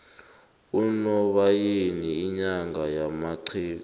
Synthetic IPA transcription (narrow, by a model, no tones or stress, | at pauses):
unɔɓajiniːɲaŋɡajamaǀʰiːk